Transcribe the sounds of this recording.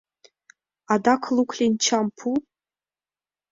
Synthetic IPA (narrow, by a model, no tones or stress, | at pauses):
adakʷʰlukʷʰɬʲint͡ʃʰampʰu